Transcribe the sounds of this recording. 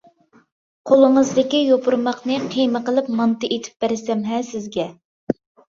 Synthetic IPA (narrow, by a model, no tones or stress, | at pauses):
qʰolˠɨŋəzd̪ɪkʲijopuɾmɑχnɨqʰijməqəlˠɪpmɑnt̪ɨʔet̪ʰɪ̥p̚b̥æɾɪsɛmɦɛsɪzɡʲɛ